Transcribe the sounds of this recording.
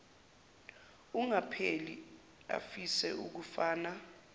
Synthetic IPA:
uŋapʰeli | a̰fisɛ̰ʔuk̬ufaːna

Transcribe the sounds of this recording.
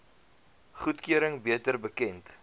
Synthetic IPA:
χutkyəɾəŋbiətərbəkɛnt

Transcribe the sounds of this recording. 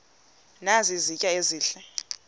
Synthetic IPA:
nazizicʼaeziːɬɛ

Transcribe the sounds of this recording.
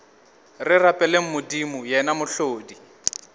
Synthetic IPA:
rɪrapʼɛleŋ̩mʊdimʊjɛnamʊɬoːdi

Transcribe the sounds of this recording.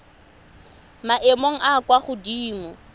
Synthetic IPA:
maʔemoŋ̩ʔakwaχʊdiːmɔ

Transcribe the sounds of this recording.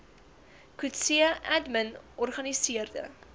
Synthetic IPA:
kʉtsiəʔædmənɔrχɐnisiərdə̰

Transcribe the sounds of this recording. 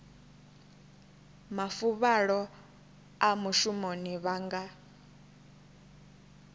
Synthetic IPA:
mafuβaɺɔ | amuʃumoniβaŋɡa

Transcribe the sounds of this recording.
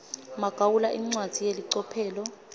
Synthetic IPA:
maɡ̥ʱawulaʔiŋ͡ǀwad̥z̥ʱijeliǀɔpʰɛːlɔ

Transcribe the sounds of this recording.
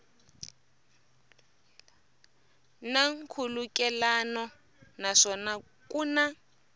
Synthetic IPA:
naŋ̩kʰulukʼɛlanɔ | naʂɔna | kʼuna

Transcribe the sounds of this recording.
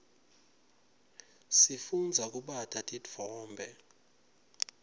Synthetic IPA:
sifund͡zʱak̬ʼuɓatʼatʼid͡vʱvɔːmbʱɛ

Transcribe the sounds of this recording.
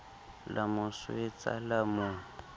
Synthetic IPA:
lʔamʊswet͡sa̰lamʊ

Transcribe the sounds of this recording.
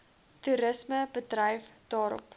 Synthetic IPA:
tuɾəsməbədrəjfd̥ɑːɾɔ̰p

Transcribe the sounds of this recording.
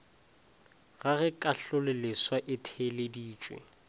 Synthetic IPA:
ɣaɣɛkʼaɬʊleleswaʔɪtʰelɪdiːt͡ʃʼwḛ

